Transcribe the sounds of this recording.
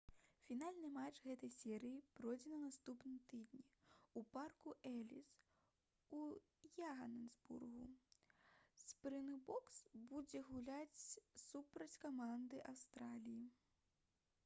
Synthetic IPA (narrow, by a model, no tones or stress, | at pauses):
fʲin̪alʲnɨmat͡ʂɣɛt̪ɐjsʲɛɾɨjipɾɔjd͡zʲɛnɐnast̪upnɨmt̪ɨd̪nʲiuparkuʔɛlʲis | u | jaɣɐnɛzbṵrɣu | spɾɨnbɔksbud͡zʲɛɣulʲat͡sʲsupɾɐt͡sʲkamand̪ɨʔawst̪ɾalʲiji